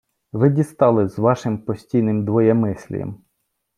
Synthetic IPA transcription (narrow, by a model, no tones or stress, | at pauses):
ʋɪdʲist̪ɑlˠɪzʋɑʃɪmpɔsʲtʲijnɪmd̪ʋɔjɛmɪsʲlʲḭjɛ̰m